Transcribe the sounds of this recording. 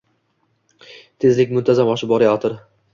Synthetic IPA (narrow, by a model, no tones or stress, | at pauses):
t̪ʰe̞zlɪkʲmʊnt̪ʰazamɒʃɪb̚bɒɾajat̪ɪɾ